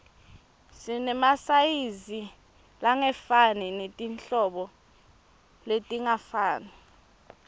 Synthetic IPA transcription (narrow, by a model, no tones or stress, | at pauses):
sinɛmasajizi | laŋɛfaninetʼinɬɔɓɔ | letʼiŋafaːna